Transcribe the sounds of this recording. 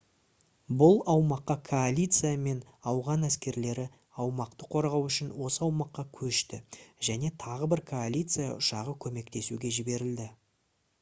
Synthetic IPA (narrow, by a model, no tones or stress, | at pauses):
bʊlˠɑwmɑqːɑkʰo̞alʲijt̪sɨjame̞nɑwʁɑnæskʲe̞ɾle̞ɾɪ | ɑwmɑqt̪əqʰo̞ɾʁɑwʏʃɪnwo̞səɑwmɑqːɑkʲʰɵʃt̪ɪʒæne̞t̪ʰɑʁəbɪɾkʰo̞alʲijt̪sɨja̰ʔʊʃɑʁəkʲʰɵme̞kt̪e̞suɡʲe̞ʒɪbe̞ɾɪld̪ɪ